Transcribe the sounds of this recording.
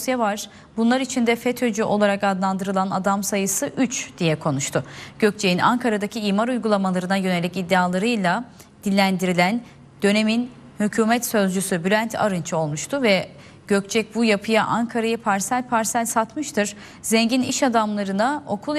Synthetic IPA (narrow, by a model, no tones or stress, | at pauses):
sjɛvaɾ̥ | bunlˠaɾit͡ʃʰind̪ɛfɛt̪ʰød͡ʒyʔo̞lˠaɾakad̪lˠand̪ɯɾɯlˠanad̪amsajɯsɯʔyt͡ʃd̪̥ijɛkʰo̞nuʃt̪ʰʊɟ̥ø̞c̚t͡ʃʰe̞jina̰ŋkʰaɾad̪acʰiiːmaɾujɡulˠamalˠaɾɯnajø̞ne̞lʲicid̪ːeaːlˠaɾɯjlˠa | d̪̥ilʲːænd̪iɾilʲæn | d̪̥ø̞ne̞min | hycʰuːmɛt̪sø̞zd͡ʒysybylʲænt̪ʰa̰ɾɯnt͡ʃʰɯo̞lˠmuʃt̪ʰʊvɛ | ɟ̥ø̞c̚t͡ʃʰɛc̚bujapʰɯjaʔaŋkʰaɾajɯpʰaɾsælʲpʰaɾsælʲsat̪mɯʃt̪ʰɯɾ̥ | zɛɲɟiniʃad̪amlˠaɾɯnao̞kʰulˠ